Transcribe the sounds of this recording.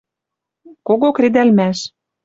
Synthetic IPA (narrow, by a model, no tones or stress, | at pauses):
koɣokred̪ælmæʃ